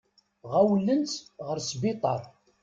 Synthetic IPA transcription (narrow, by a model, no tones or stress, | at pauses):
ʁæwlənt͡sʁəɾsbɪt̪ˤɑɾˤ